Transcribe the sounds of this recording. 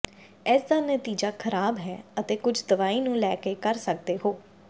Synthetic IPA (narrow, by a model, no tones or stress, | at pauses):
ɪːsd̪aːnət̪iːd͡ʒaːkʰəɾaːbɦɛːət̪eːkʊd͡ʒd̪əʋaːiːnũːlɛːkeːkəɾsək̚d̪eːɦoː